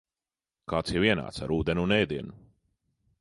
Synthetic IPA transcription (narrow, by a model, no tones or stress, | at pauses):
kaːt̪sjɛviɛna̰ːt̪sa̰ɾuːd̪enunɛjd̪iɛnu